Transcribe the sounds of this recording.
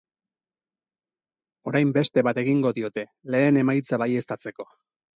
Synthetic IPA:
o̞ɾajmbe̞st̪e̞βat̪e̞ɣiŋɡo̞ðio̞t̪e̞le̞ːne̞majt͡saβaje̞st̪at͡se̞ko̞

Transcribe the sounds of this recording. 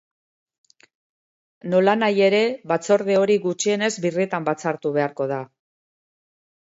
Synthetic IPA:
no̞lanaje̞ɾe̞βat͡so̞ɾðe̞o̞ɾiɣut͡ʃie̞ne̞zbirit̪ambat͡saɾt̪uβe̞aɾko̞ð̞a

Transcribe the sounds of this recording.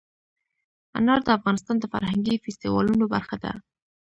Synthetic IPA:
a̰nɑɾd̪əafɣɑnɪst̪ɑnd̪əfa̰ɾhaŋɡifɪst̪iwɑ̰lunobaɾxad̪a̰

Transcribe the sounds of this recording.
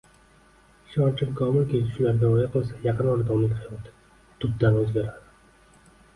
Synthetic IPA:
ʃɒɾt͡ʃʰɪmkʰɒmɪlkʲʰelɪʃʊlaɾɡ̪ʲaojaqɨlˠsajɑqɨnɒɾad̪ɒmlɪkʲt̪ʰɑjad̪ɪ̥ | t̪ʰʊd̪̚d̪anɵzɡʲaɾad̪ɪ

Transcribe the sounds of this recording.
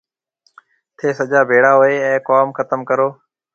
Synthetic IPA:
t̪ʰeːsəd͡ʒaːbʱeːɽaːɦoeːɛ̃ːkoːmxət̪əmkəɾoː

